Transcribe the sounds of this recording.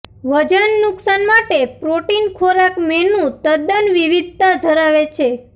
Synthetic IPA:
ʋəd͡ʒənːʊksanmaʈepɾoʈinkʰoɾakmɛnũt̪əd̪ənʋiʋid̪̚t̪ad̪ʱəɾaʋet͡ʃʰe

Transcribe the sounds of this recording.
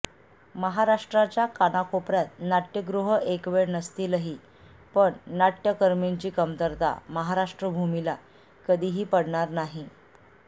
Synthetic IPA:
məɦaɾaʂʈɾat͡ɕjakanakopɾjat̪̚naʈjəɡɾuɦəekʋeɽnəst̪iːləɦi | pəɳnaʈjəkəɾmint͡ɕiːkəmt̪əɾt̪a̰məɦaɾaʂʈɾəbʱumila | kəd̪ʱiɦiːpəɽɳaɾnaɦi

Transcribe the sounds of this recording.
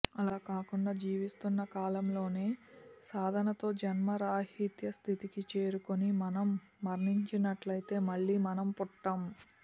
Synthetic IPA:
ɐlaːkaːkuɳɖaːd͡ʒiːʋist̪unːɐkaːlɐmlo̞ːne̞ːsaːd̪ʱɐnɐt̪o̞ːd͡ʒɐnmɐɾaːɦhit̪jɐst̪ʰit̪ikit͡ʃe̞ːɾukonimɐnɐmː | ɐɾniɲt͡ʃinɐʈlɐjt̪e̞ːmɐɭːiːmɐnɐmpuʈːɐm

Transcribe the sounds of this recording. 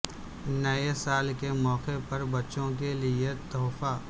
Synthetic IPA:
nɐesaːlkemɔːqepɐɾbɐtːʃõk̬eliet̪ɔːfaː

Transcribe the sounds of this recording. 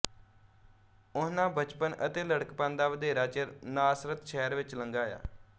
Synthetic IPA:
ʊnãːbət͡ʃpənət̪eːləɽəkpãːnd̪aːʋəd̪eːɾaːt͡ʃəɾnaːsɾət̪ʃɛːɾʋɪt͡ʃləŋɡaːja̰ː

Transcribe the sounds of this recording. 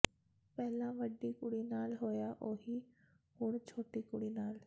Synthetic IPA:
pɛːlãːʋəɖiːkʊɽiːnaːlɦoːjaːʔoːɦiː | ɦʊɳ̃t͡ʃʰoːʈiːkʊɽiːnaːl

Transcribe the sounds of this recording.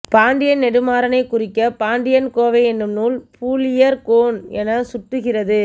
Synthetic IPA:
paːɳɖɪjɐnnɛɽɯmaːɾɐnɐɪkːʊrɪkːɐpaːɳɖɪjɐnkoːʋɐɪɛnːɯmnuːlpʰuːlɪjɐɾkoːnɛnɐsʊʈːɯɣɪrɐðɯ

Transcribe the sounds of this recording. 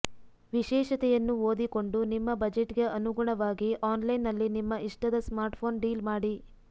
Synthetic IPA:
ʋiʃɛːʃɐt̪ɛjɐnːuo̞ːd̪iko̞ɳɖunimːɐbɐd͡ʒeʈɡeʔɐnuɡuɳɐʋaːɡiʔaːnlɐjnːɐlːinimːɐiʂʈɐd̪ɐsmaːɾʈpʰo̞ːnɖiːlmaːɽi

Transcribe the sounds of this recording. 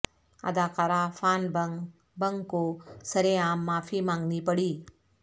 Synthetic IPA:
ə̰d̪akaɾafaːnb | bəŋɡkosəɾeaːmːaːfʰimãŋɡnipəɽiː

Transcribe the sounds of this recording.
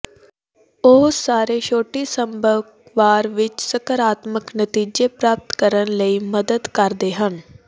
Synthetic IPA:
oːsaːɾeːʃoːʈiːsəmbək | ʋaːɾʋɪt͡ʃsəkəɾaːt̪məknət̪iːd͡ʒeːpɾaːp̚t̪kəɾənləiːməd̪əd̪kəɾd̪eːɦən

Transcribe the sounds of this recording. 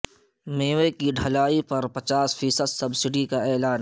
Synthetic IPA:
meːʋekiɖʱɐlaːipɐɾpɐt͡ʃaːsfiːsəd̪sɐbsɪɖikaɛːlaːn

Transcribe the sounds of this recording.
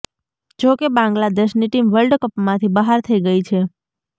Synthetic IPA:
d͡ʒokebãŋɡlad̪eʃniʈimʋəlɖkəpmãt̪ʰibəɦaɾt̪ʰəiɡəit͡ʃʰe

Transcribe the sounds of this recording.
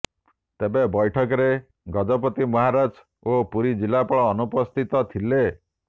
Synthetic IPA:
t̪ebebɔjʈʰɔkɔɾe | ɡɔd͡ʒɔp̬ɔt̪imɔɦaɾad͡ʒ | opuɾid͡ʒilapɔɭɔːnupɔst̪ʰit̪ɔt̪ʰile

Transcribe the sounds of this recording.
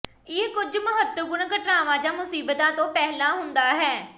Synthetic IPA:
ɪːkʊd͡ʒmʊɦət̪ːəɡʊnkəʈɾaːʋãːd͡ʒaːmʊsiːbət̪ãːt̪õːpɛɦlãːɦʊnd̪aːɦɛː

